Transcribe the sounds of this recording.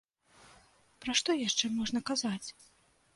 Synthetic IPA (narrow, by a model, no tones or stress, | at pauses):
pɾaʂt̪ɔjaʂt͡ʂɛmɔʐnɐkazat͡sʲ